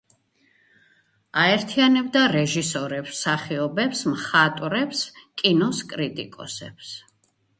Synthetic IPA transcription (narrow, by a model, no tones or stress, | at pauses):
aɛɾt̪ʰianɛbd̪aɾɛʒisɔɾɛpsaχiɔbɛpsmχat̪ʼɾɛpskʼinɔskʼɾit̪ʼḭkʼɔ̰sɛ̰ps